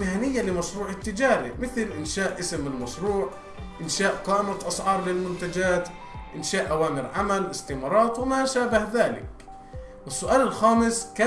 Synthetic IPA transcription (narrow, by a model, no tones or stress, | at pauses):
ɪhanɪjːalɪmɑʃɾuːʕɪt̪ːɪd͡ʒaːɾḛmɪθlʔɪnʃaːʔʔɪsɪmɪlmɑʃɾuːʕ | ʔɪnʃaːʔqɑːʔɪmat̪ʔɑsʕɑːɾˤlɪlmʊnt̪ad͡ʒaːt̪ | ʔɪnʃaːʔʔawaːmɪɾʕamalʔɪst̪ɪmɑɾˤɑːt̪wɪmaʃaːbahðaːlɪ̰k̚ | wɪsːʊʔaːlɪlxaːmɪskaː